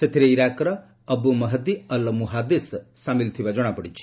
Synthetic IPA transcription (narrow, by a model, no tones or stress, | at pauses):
set̪ʰiɾeiɾakɾɔ | əbumɐɦəd̪iəlmuɦad̪issamilt̪ʰibad͡ʒɔɽ̃apɔɽit͡ʃʰi̥